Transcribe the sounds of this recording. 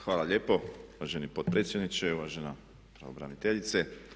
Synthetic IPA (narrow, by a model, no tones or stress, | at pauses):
xʋaːlaʎe̞ːpo̞uʋaʒenipot̪̚pɾet̪sʲjed̪nit͡ʃeuʋaʒena | pɾa̰ʋobɾa̰nit̪eʎit̪se